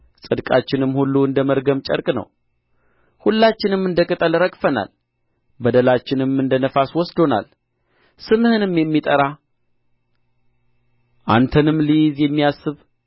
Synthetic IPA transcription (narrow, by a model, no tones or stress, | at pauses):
sʼɨd̪kʼat͡ʃːɪnɨmːhulːuɨnd̪əməɾɡəmt͡ʃʼə̰ɾkʼnə̰w | hulːat͡ʃːɪnɨmːɨnd̪əkʼɨt̪ʼəlɾəkʼfəna̰l | bəd̪əlat͡ʃːɪnɨmɨnd̪ənəfaswɔsd̪o̞na̰l | sɨmhɨnɨmjɛmːit̪ʼəɾa | ʔa̰nt̪ʰənɨmlɨjɪzjɛmːijasːɨβ